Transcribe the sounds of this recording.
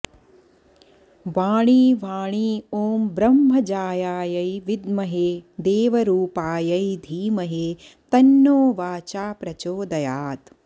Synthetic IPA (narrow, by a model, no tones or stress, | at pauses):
ʋaːɳiːʋaːɳ̃iːoːmbɾɐmːɦɐd͡ʒaːjaːjɐjʋid̪mɐɦeːd̪eːʋɐɾuːpaːjɐjd̪ʱiːmɐɦeː | t̪ɐnːoːʋaːt͡ʃaːpɾɐt͡ʃoːd̪ɐjaːt̪